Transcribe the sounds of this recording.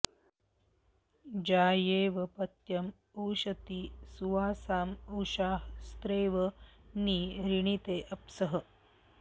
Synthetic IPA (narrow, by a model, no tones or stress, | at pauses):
d͡ʑaːjeːʋɐpɐt̪jɐm | uwɕɐt̪iːsuʋaːsaːmɐwʃaːɦst̪ɾeːʋəniːɾiɳ̃it̪eːʔɐpsəɦə